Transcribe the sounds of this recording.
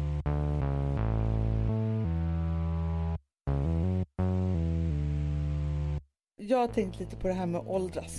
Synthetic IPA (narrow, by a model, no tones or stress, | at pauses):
jɑːɡhaʈ̪ʰɛŋkt̪ʰliːt̪ə̥pʰɔd̪ɛɦæːɾmeːʔɔld̪ɾas